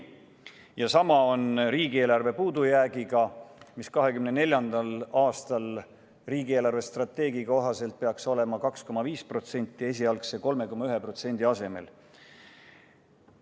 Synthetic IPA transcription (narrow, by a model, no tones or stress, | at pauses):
jɑsɑmɑo̞nriːɡ̥ie̞ːlɑrve̞puːd̪ujæːɡiɡ̥ɑmiskɑɦe̞kymnenelʲjɑnd̪̥ɑlɑːst̪ɑl | riːɡie̞ːlɑrve̞st̪rɑt̪ːe̞ːɡ̥iko̞ɦɑse̞lt̪̚peɑkso̞le̞mɑkɑksko̞mɑviːspro̞t̪se̞nʲt̪ˑːie̞s̬ʲiɑlkse̞ko̞lme̞ko̞mɑyɦe̞pro̞t̪se̞nʲd̪̥iɑse̞me̞̰l